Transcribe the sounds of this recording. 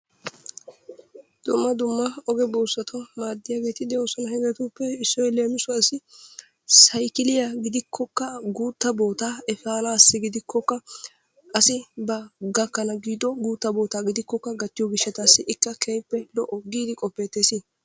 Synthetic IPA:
d̪̥ʊmːɐd̪ʊmːɐɔɡɛbuːsːɐt̪ʰɔmaːd̪ːɪjaːɡe̞ːt̪ɪd̪ɛoːsɔnɐhɛɡɛt̪uːpːɛɪsːɔjleːmɪsʊɐsɪ | sɐjkɪlɪjaɡɪd̪ɪkʰːɔkːɐɡuːt̪ːɐbo̞ːt̪aːɛfaːnaːsːɪɡɪd̪ɪkʰːɔkːɐ | ʔɐsɪbɐɡɐkːɐnɐɡiːd̪ɔɡuːt̪ːɐbo̞ːt̪aːɡɪd̪ɪkːɔkːɐɡɐt̪ːɪjɔɡɪʃːɐt̪asːɪʔɪkːɐkʰɛjpːɛlɔʔɔɡːiːd̪ɪkʼɔpːɛt̪ːeːsɪ

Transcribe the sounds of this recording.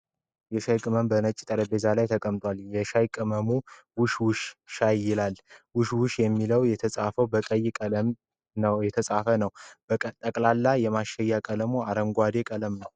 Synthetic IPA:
jɛʃajkʼɨməmbənət͡ʃʼit̪ʼəɾəbe̞zalajt̪ʰəkʼəmt̪ʼwaljɛʃajkʼɨməmu | wʊʃwʊʃʃajːɪlalwʊʃwʊʃjɛmːiləwjɛt̪ʰəsʼafəwbəkʼəjːɪkʼələm | nəwjɛt̪ʰəsʼafənəwbət̪ʼəkʼlalːajɛmaʃɛjːakʼələmuaɾəmɡʷad̪e̞kʼələmnəw

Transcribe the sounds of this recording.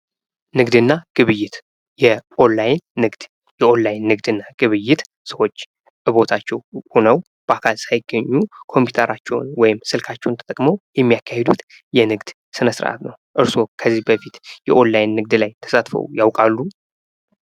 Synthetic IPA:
nɨɡd̪ɨnːaɡ̥ɨβɨjːɪt̪ | jɛʔo̞nlajnːɨɡd̪̥ | jɛʔo̞nlajnːɨɡd̪ɨnːaɡ̥ɨβɨjːɪt̪ | səwo̞t͡ʃː | ʔɨβo̞t̪ʰat͡ʃːɛwho̞nəw | b̥əakʰalsajɪɡːəɲːukʰo̞mpʰu̥t̪ʰəɾat͡ʃːɛw̰nwɔjɪmsɨlkʰat͡ʃːɛwnt̪ʰət̪ʼəkʼməwjɛmːijakʰːahed̪ut̪ | jɛnɨɡd̪̥ | sɨnəsɾə̰ʔa̰t̪nəwʔɨɾso̞kʰəzːihbəfit̪jɛʔo̞nlajnːɨɡ̚d̪lajt̪ʰə̥sat̪fə̰wjawkʼalːu

